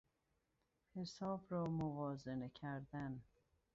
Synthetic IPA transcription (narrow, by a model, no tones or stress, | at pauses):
he̞sɒːbɾɒːmovɒːze̞necʰæɾd̪æn